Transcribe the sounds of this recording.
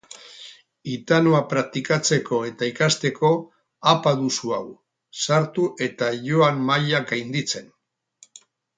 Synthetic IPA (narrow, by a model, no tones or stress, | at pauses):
it̪anoapɾak̚t̪ikat͡se̞ko̞e̞t̪aikast̪e̞ko̞ | apaðusuaw | saɾt̪uʔe̞t̪aʝo̞ammajaɡajnd̪it͡se̞n